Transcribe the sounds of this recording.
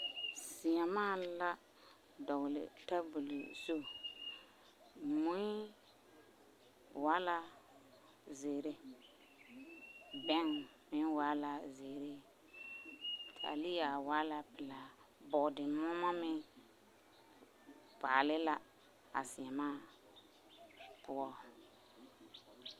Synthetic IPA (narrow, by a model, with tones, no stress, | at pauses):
si˨a˨maː˦la˦ | dɔ˨ɣlɪ̰˨ta˦bu˨lḭ˨so˦˨ | mũ˦i˦ | wa˦la˦ | ze˨ɾe˦ | bɛ˦ŋ | mɪ˦nwa˦la˨ze˨ɾe˦ | tʰa̰˨li˦ja˨wa˦la˨pɪ˨la˨ | bɔ˨dɪ˨mʊ˦ma˦mɪ˦ | paː˨lɪ˦la˨ | a̰˨sɪ˨ɛ˨maː˦˨ | pʊ˦ɔ˦